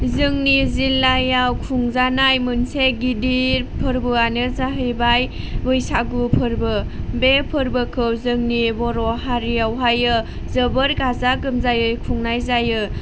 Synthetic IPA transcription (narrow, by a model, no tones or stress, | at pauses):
zɯŋnizilːajawkʰuŋzanajmunseɡidiɾpʰɯɾbɯanɯzaɦɯjbajbɯjsaɡupʰɯɾbɯbepʰɯɾbɯkʰɯwzɯŋnibɔɾɔɦaɾijawɦajɯ | zəbəɾɡazaɡɯmzajɯjkʰuŋnajzajɯ